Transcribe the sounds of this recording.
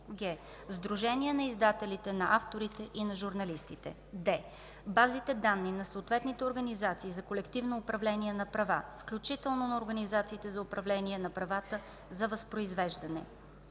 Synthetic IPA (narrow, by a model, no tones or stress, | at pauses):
ɡɛ | zd̪ɾuʒɛniɛnɐizd̪at̪ɛlit̪ɛnɐʔaft̪oɾit̪ɛʔinɐʒuɾnɐlist̪it̪ɛ̰ | d̪ɛ | bazit̪ɛd̪anːinɐsoʊt̪vɛt̪nit̪ɛoɾɡɐnizat̪siːzɐkolɛkt̪ivnoːpɾɐvlɛniɛnɐpɾɐvafklʲut͡ʃit̪ɛlˠnonɐoɾɡənizat̪siːt̪ɛzɐʊpɾɐvlɛniɛnɐpɾɐvat̪ə | zɐvɐspɾoizvɛʒd̪ɐnɛ̰